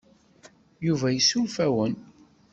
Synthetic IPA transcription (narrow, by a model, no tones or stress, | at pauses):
juvæjəsuwfæwən